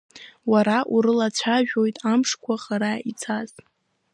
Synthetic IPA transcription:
waɾaʔuɾɨlat͡ɕʷʰaʒᶣo̞jtʼamʂkʷʰaχaɾait͡sʰaz

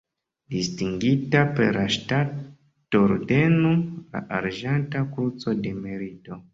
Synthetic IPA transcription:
distiŋɡitapḛɾlaʃtat | oɾde̞nula̰ʔaɾʒantakut͡so̞de̞meɾito̞

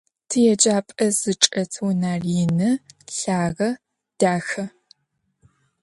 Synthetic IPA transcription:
tʰɨjɛd͡ʒaːpʼɐzɨʈ͡ʂʼɐtʰwnaːrinɨɬaːʁɐ | d̥aːxɐ

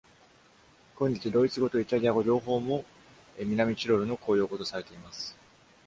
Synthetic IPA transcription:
ko̞ɲ̟ːʲit͡sɨd̪o̞ːit͡sɨɡo̞t̪o̞it̪aɾʲiaɡo̞ʑo̞ːɦo̞ːmo̞ | emʲinamʲit͡ɕiɾo̞ɾɯ̟no̞ko̞ːjo̞ːko̞t̪o̞saɾe̞t̪e̞imasɨ̥

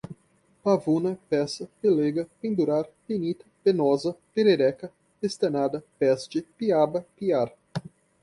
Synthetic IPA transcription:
pavunɐpɛsɐpeleɡɐpĩnd̪uɾaɾpinit̪ɐ̥penɔzɐpeɾeɾɛkɐ | test̪enad̪ɐpɛsd͡ʒɪpiabɐpiaɾ

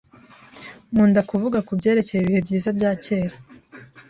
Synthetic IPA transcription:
muːndakuvuɡakubɟe̞ːɾe̞cejeβihe̞bɟiːzabɟaːce̞ːɾa

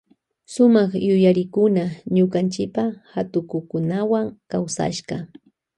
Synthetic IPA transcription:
sʊmɑχjʊjaɾɪkʊnaɲʊkant͡ʃɪpaxat̪ʊkʊkʊnawaŋkawsa̰ʃqɑ

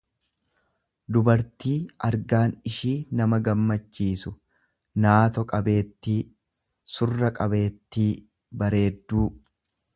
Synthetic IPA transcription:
d̪ʊbɐɾt̪iːɐɾɡaːnɪʃiːnɐmɐɡɐmːɐt͡ʃːiːsʊ | naːt̪ɔkʼɐbe̞ːt̪ːiː | sʊrːɐkʼɐbe̞ːt̪ːiː | bɐɾe̞ːd̪ːuː

